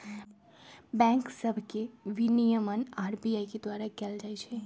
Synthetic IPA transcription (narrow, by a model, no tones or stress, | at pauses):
bɛ̃ŋksəbʱkeʋinijəmənaːɾbiajked̪ʋaɾakɛld͡ʒajt͡ʃʰe